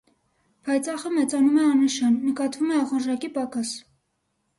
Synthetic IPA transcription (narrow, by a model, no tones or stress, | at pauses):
pʰɑjt͡sɑχəmɛt͡sɑnumɛɑnəʃɑnːəkɑt̪vumɛɑχəɾʒɑkipɑkɑs